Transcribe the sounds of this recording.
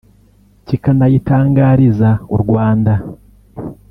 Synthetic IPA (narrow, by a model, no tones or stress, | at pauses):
cikanajitaːŋɡaːɾizauɾɡwaːnda